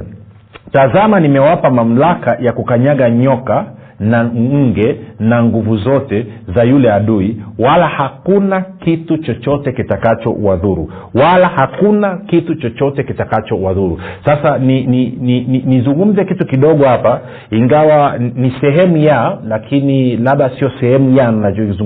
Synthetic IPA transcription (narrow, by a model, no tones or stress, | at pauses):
tazamanimɛwapamam̩lakajakukaɲaɠaɲɔka | naɡɛnaŋɡuvuzɔtɛzajulɛaɗuiwalahakunakitut͡ʃɔt͡ʃɔtɛkitakat͡ʃɔ̰waðuɾṵ | walahakunakitut͡ʃɔt͡ʃɔtɛkitakat͡ʃɔwaðuɾusasanininininizuŋɡum̩zɛkitukiɗɔɠɔhapa | iŋɡawanisɛɦɛmujalakʰinilaɓasiɔsɛhɛmujaninad͡ʒzu